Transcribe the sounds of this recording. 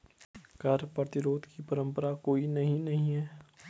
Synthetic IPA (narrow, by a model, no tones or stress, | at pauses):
kɐɾpɾɐt̪ɪɾoːd̪kipɐɾə̃mpəɾakoːinɐɦĩnɐɦĩɦɛː